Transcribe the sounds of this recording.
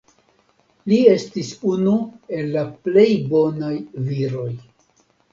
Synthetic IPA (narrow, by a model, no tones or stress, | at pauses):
lie̞stisunue̞lːaple̞jbo̞najviɾo̞j